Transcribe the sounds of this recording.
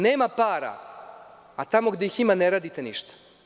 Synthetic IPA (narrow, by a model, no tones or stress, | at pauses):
neːmapaːɾa̰ː | t̪amo̞ɡd̪e̞jiximaneɾaːd̪it̪eniʃt̪ḁ